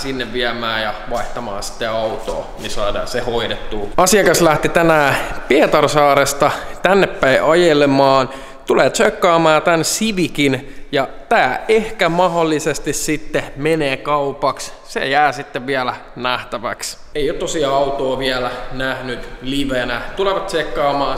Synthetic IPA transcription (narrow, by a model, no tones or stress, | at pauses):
sinːeʋʋiæmæːjɑʋɑiht̪ɑmɑ̰ːnsi̥t̪ːeɑut̪o̰ːnisɑːdɑ̰ːsehoidet̪ːuːɑsiɑkɑslæht̪it̪ænæːpiet̪ɑrsɑːɾest̪ɑt̪ænːepːæiʔɑjelemɑːn | t̪uleːt̪t͡ʃøkːɑːmɑːt̪ænsiʋikinjɑt̪æːehkæmɑɦolːisest̪issit̪ːemeneːkɑupɑks | sḛjæːsit̪ːeʋʋiælæ | næht̪æʋæ̰ks | eijot̪ːosiɑɑut̪oːʋiælænæhnyt̪liʋenæt̪uleʋɑt̪sekːɑːmɑːn